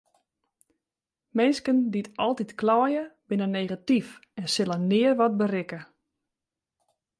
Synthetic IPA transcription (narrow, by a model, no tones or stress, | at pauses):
mɛnskənditɔlˠtitklɔːjəbɪnəneːɣatifɛnsɪlˠənɪːərʋɔt̚bərɪkə